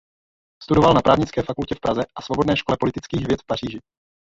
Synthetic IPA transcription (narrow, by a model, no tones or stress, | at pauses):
st̪udovalnapɾaːvɲɪt͡skɛːfakulcɛfpɾʔazɛʔasvo̞bodnɛːʃko̞lɛpolɪt̪ɪt͡skiːxvjɛt̪fpar̝iːʒɪ